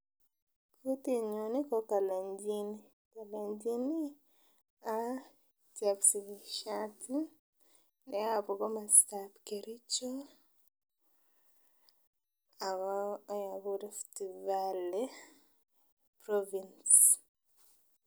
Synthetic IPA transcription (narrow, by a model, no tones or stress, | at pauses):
kut̪iɲonikɔkalaɲd͡ʒini | kalaɲd͡ʒini | a | tjaksiɡiʃati | nɛapɔɡɔmastapkeɾit͡ʃo | aβajaβudɛftivale | pɾɔvins